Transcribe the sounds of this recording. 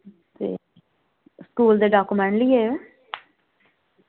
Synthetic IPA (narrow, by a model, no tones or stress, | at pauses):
t̪ḛː | skuːld̪eɖaːkʊmɛ̃ɳlieːʋe